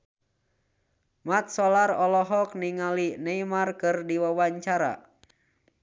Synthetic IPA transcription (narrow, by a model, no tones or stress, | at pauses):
mat̪̚sɔlarɔlɔɦɔk̚niŋalineimarkɨrdiwawaɲt͡ʃaɾa̰